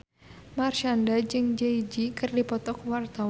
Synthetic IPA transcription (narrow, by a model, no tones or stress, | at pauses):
marʃandad͡ʒɨŋd͡ʒeid͡ʒikɨrdipɔt̪ɔk̚wart̪a